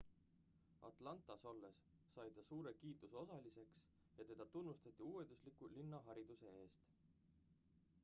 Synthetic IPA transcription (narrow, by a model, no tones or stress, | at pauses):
ɑ̰t̪ˑlɑnt̪ˑɑso̞lːe̞sː | ɑjt̪ɑsuːɾe̞kiːt̪ˑuso̞sɑlise̞ks | jɑt̪e̞d̪̥ɑt̪unːust̪ɑt̪ːˑiuːwe̞nd̪uslikːulinːɑɦɑɾid̪̥use̞e̞ːst̪